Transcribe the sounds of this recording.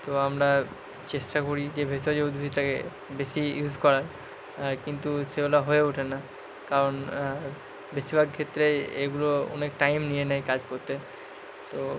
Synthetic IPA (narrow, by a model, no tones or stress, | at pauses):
t̪oamɾa | t͡ɕeʃʈakoɾid͡ʑebʱet̪od͡ʑeud̪ʱbʱit̪akḛ | beʃijud͡ʑkɔɾaɾ | aɾkint̪uʃeɡulaɦoeuʈʰena | kaɾon | beʃibʱaɡkʰet̪ːɾeḛɡuloo̰nekʈajmnijenɛjkad͡ʑkoɾt̪e | t̪o